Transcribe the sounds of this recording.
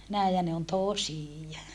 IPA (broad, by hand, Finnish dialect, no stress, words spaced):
næˑi jɑ ne on tosiˑjɑ